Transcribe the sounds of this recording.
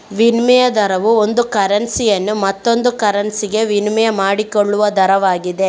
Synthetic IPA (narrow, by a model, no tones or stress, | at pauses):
ʋinmɛjɐd̪ɐɾɐʋuond̪ukɐɾɐnsijɐnːumɐt̪ːo̞nd̪ukɐɾɐnsiɡe̞ʋinmɛjɐmaːɽikoɭːuʋɐd̪ʱɐɾɐʋaːɡid̪e